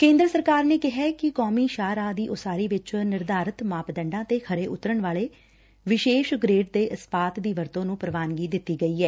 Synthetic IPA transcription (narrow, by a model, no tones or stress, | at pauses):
kẽːnd̪ɾəsəɾkaːɾneːkɪɦɛːkɪkɔːmiːʃaːɾaːd̪iːʔʊsaːɾiːʋɪt͡ʃnɪɾd̪aːɾət̪maːpd̪ə̃ɳɖãːt̪eːkʰəɾeːʔʊt̪ɾəɳʋaːleː | ʋɪʃeːʃɡɾeːʈ̚d̪eːʔəspaːt̪d̪iːʋəɾt̪õːnũːpəɾəʋaːnɡiːd̪ɪt̪ːiːɡəiːɛː